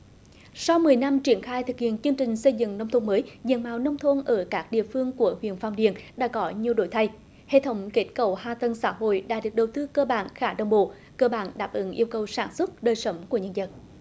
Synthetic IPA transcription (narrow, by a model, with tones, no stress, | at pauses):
sa˧wmɨ˨˩əjna˧mt͡ɕi˧˩ənxaː˧jt̪ʰɨ˨˩k̚hḭ˧˨ənt͡ɕɨ˧əŋt͡ɕï˨˩ŋ̟sə˧jzɨ̰˧˨ŋnə˧wŋ͡mt̪ʰo˧nməː˨˦jzḭ˧˨˩nmaː˧˨˩wnə˧wŋ͡mt̪ʰo˧nʔəː˧˩kaː˦˥k̚ɗḭ˧˨əfɨ˧əŋku˧˩əhwḭ˧˨ənfaː˧wmɗḭ˧˨ənɗa̰ː˧˥kɔ˨˦ɲi˨˩əwɗo˧˩jt̪ʰa˧j | hḛ˧˨t̪ʰə˨˦wŋ͡mke˦˥t̚kə˧˩whaː˧t̪ə˧nsa̰ː˧˥ɦo̰˧˨jɗa̰ː˧˥ɗɨ˨˩ək̚ɗə˨˩wt̪ɨ˧kəː˧ɓa̰ː˧˨nxaː˧˩ɗə˧˩wŋ͡mɓo̰˧˨ | kəː˧ɓaː˧˩nɗaː˨˩p̚ʔɨ˨˦ŋʔi˧əwkə˨˩wsaː˧˩nswə˦˥t̚ɗəː˨˩jsə˨˦wŋ͡mku˧˩əɲə˧nzə˨˩t̚